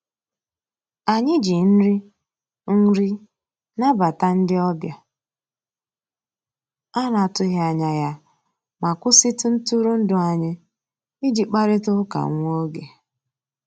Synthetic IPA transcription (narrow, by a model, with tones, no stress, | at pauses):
a˨ɲɪ˦d͡ʒi˨n̩˦ɾi˦ | ŋ̩˦ɾi˦ | na˦ba˨ta˦n̩˦dɪ˦ɔ˦bja˦ | a˦na˨tʊ˦ɦa˨ɲa˨ja˦ | ma˨kʷʊ˦sɪ˦tʊ˦n̩˦tu˦ɾu˦n̩˦dʊ˨a˨ɲɪ˦ | ɪ˦d͡ʒi˨k͡pa˦ɾɪ˦tʊ˦ʊ˦ka̰˨˦ŋʷo˦ɡe˨